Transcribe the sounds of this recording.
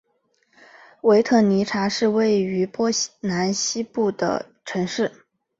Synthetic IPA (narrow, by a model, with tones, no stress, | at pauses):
we˧˥ɪt̪ʰɤ˥˩ni˧˥ʈ͡ʂʰa˧˥ʂɻ̩˥˧we˥˩ɪy˧˥pwɔ˥na˧˥nɕi˥pu˥˩d̪ə̰˩ | ʈ͡ʂʰɤ˧˥ŋʂɻ̩˥˩